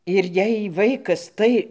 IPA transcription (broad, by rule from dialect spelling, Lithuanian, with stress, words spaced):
ɪr ˈjɛɪ ˈʋɐɪkɐs ˈtɐɪ